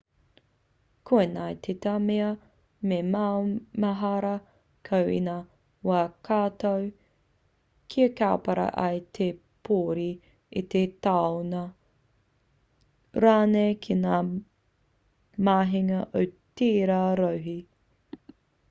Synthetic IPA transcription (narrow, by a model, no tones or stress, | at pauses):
kʰoenajt̪ʰet̪ameɐ | memamɐɦɐɾɐ | kʰɐwḭna | waːkʰaːt̪ow | kʰiekaːpɐɾɐ̰ʔɐjt̪ʰe | pʰoːɾi | it̪et̪aonɐ | ɾaːnejkʰinaː | maːɦiŋɐʔowt̪eːɾaɾɐwɦi